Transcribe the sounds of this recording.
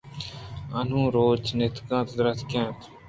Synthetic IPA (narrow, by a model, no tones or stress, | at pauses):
ən̤ũːɾoːt͡ʃnɪt̪kãːt̪d̪ɾət̪ʰkɛ̃ːt̪